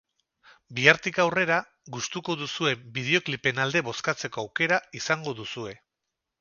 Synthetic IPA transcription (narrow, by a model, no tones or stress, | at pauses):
biaɾt̪ikawre̞ɾa | ɡust̪uko̞ðusue̞bið̞e̞o̞klipe̞nald̪e̞βo̞skat͡se̞ko̞awke̞ɾaisaŋɡo̞ðusue̞